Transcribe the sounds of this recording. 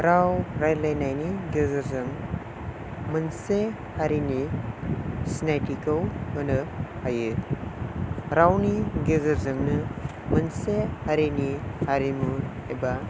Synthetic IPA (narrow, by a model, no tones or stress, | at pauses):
ɾawɾajlajnajniɡeɡɯɾzɯŋ | mɯnse | haɾini | sinajtikɯwhɯnɯhajɯ | ɾawniɡeɡɯɾzɯŋnɯ | mɯnsehaɾinihaɾimueba